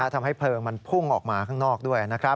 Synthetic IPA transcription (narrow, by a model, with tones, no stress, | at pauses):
a˦˥˩t̪ʰa˧mɦa˥˩jpʰlɤː˧ŋma˧npʰu˥˩ŋʔɔː˨˩k̚maː˧kʰaː˥˩ŋnɔː˥˩k̚du˥˩əjna˦˥kʰɾa˦˥